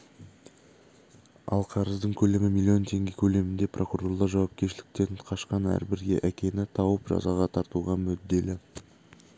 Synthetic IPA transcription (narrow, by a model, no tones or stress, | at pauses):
ɑ̰lˠqʰɑɾəzd̪əɴkʲʰɵlemɪmilʲːio̞nt̪ʰe̞ŋɡʲekʲʰɵle̞mɪnd̪e̞pʰrʔo̞kuro̞rlˠɑʒɑwɑp̚kʲe̞ɾʃɪlɪ̥k̚t̪e̞nqʰɑʃqɑnæ̰ɾbɪɾɡʲe̞̰ʔækʲe̞nɪt̪ʰɑwəpʒɑ̰zɑʁɑt̪ʰɑɾt̪uʁɑmʏd̪ːe̞lɪ